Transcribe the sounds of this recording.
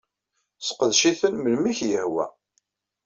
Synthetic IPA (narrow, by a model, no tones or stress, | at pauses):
sqəðʃiθənməlmiçjəhwæ̰